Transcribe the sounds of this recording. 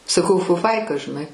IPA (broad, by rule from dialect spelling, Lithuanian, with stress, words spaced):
sɐˈkɐʊ fʊˈfɐɪkɐ ʒʲɪˈnɐɪ